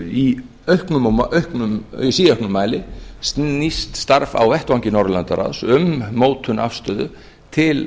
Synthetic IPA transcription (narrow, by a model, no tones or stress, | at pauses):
i | œhknʏmhknʏmisiːœhknʏmːaːjlɪsist̪st̪aɾva̰wvɛht̪vawŋcɪnɔɾlant̪aɾa̰ðsʏmːoːwt̪ʰʏna̰fst̪œːðʏ | t̪ʰɪl